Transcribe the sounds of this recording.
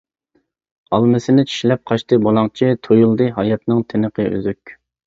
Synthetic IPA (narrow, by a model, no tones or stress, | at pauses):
ɑlˠmɪsɪnɪt͡ʃʰi̥ʃlɛp̚qʰɑʃt̪ɨbolˠɑŋt͡ʃʰit̪ʰojulˠd̪ɨɦɑjɑt̪nɨŋt̪ʰɪnəqʰəø̰zykʲ